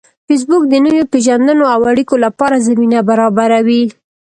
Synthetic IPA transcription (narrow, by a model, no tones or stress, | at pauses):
fes̬bʊk̚d̪ənəjopeʒand̪ənoawaɽikolapɑɾazaminabaɾɑbaɾawi